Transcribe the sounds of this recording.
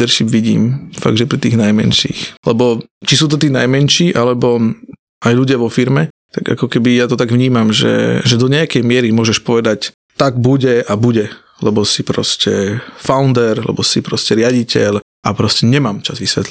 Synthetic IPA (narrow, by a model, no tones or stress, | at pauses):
d̪ɛɾʃibʋiɟḭːmfa̰ɡd̪ʒɛpɾit̪iːɣnajmɛ̰nʃḭːxlɛbɔt͡ʃisuːt̪̬ɔt̪iːnajmɛnʃiːʔalɛbɔ | ajʎuɟɪaʋɔfiɾmɛt̪aɡa̰kɔkɛbijat̪ɔt̪aɡʋɲiːmamʒɛ̰ʒɛd̪ɔɲɛakɛjmɪɛɾimʊɔʒɛʃpɔʋɛd̪ac | t̪aɡbuɟɛabuɟɛ | lɛbɔsipɾɔ̰scɛfaʊnd̪ɛɾlɛ̰bɔsipɾɔscɛɾɪaɟicɛʎ | ʔapɾɔscɛɲɛmaːmt͡ʃazʋisʋɛ̰t̪li